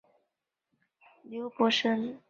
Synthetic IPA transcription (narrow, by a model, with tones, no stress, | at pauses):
lju˧˥ʊpɔ˧˥ʂə˥n